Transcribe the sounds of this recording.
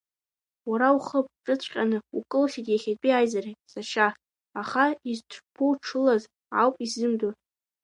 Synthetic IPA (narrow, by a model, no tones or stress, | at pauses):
waɾauχəpʰʼʈ͡ʂʼɨt͡ɕʷʼqʲʼanɨṵkʼɨlχʲitʼjaχʲatʼiajzarejtʼsaʃaː | χaiztʷʰpʰowʈ͡ʂʰɨlaz | ʕa̰wpʼizɨmdo